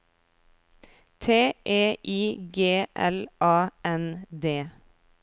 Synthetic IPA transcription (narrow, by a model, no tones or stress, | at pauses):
t̪ʰeːʔeːʔiːɡeːʔɛlʔɑːɛnd̪eː